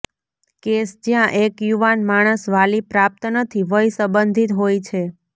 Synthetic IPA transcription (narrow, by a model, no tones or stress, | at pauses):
kesd͡ʒjãʔekjuʋanmaɽ̃əsʋalipɾap̚t̪nət̪ʰiʋəjsəbənd̪ʱit̪ɦojt͡ʃʰe